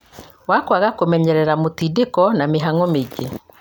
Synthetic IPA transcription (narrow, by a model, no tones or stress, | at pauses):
wakwaɣakomɛɲɛɾɛɾamotidekɔnameɦaŋɔmeɡe